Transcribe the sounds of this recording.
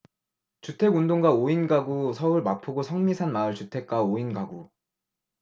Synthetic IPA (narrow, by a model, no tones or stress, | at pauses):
t͡ɕutʰe̞ɡundoŋɡwaoinɡaɡusʰʌuɭmapʰoɡosʰʌŋmisʰanmaɯɭt͡ɕutʰe̞k̚k͈aoinɡaɡu